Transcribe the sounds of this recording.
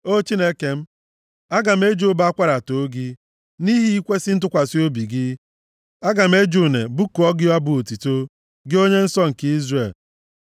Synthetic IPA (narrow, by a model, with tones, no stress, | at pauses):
o˦t͡ʃi˦ne˦ke˨m̩˦ | a˦ɡa˨m̩˦e˦d͡ʒu˦ba˦kʷa˦ɾa˨to˨˦ɡɪ˦ | ni˦ɦi˦i˦kʷe˦sɪ˦n̩˦t̬ʊ˦kʷa˨si˦o˦bi˨ɡɪ˦ | a˦ɡa˨m̩˦e˦d͡ʒu˨ne˨bu˦ku˨ɔ˦ɡɪ˦a˦bʊ˨o˨ti˨to˦ | ɡɪ˦o˦ɲe˦n̩˦sɔ˦ŋ̩˨ki˦zre˨l